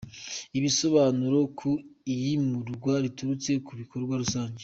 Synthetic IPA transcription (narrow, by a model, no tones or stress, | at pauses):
iβiso̞βaːnuɾo̞kʰoijimuɾɡwaɾituɾut͡se̞kuβiko̞ɾɡwaɾusaːɲɟe